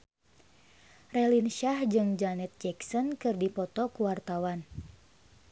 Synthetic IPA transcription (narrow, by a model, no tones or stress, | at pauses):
rɛlinʃahd͡ʒɨŋd͡ʒanɛt̪̚d͡ʒɛksɔnkɨrdipɔt̪ɔkuwart̪awan